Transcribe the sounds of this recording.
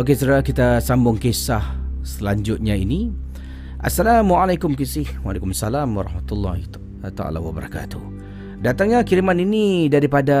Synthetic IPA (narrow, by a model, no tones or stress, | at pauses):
ok̬esədahkit̪asambʊŋkesahsəlaɲd͡ʒʊt̪̚ɲaini | ʔa̰sːalamwaalajkʊmkisihwalakʊmasalamwaɾɑhmat̪ulːahi | t̪aa̰la̰wabəɾa̰ka̰t̪u | dat̪aŋɲakilimaninidaɾipada